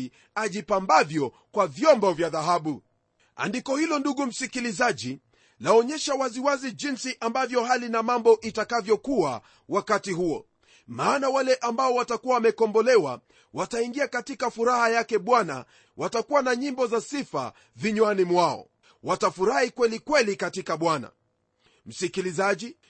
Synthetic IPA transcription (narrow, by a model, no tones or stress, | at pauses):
aʄipambavjɔ | kwavjɔmbɔvjaðaɦaɓu | a̰ndikɔhilɔnduɠum̩sikilizaʄi | laɔɲɛʃawaziwaziʄinsiʔambavjɔhalinamambɔʔitakavjɔkua̰ | wakatihuɔ̰ | maːnawalɛʔambaɔwatakuwawamɛkɔmbɔlɛwa̰ | wataiŋɡiakatikafuɾahajakɛɓwana̰ | wʔatakuwanaɲimbɔzasifa̰ | viɲwanimwaɔ̰ | watafuɾahikwɛlikwɛlikatikaɓwana̰ | m̩sikilizaʄi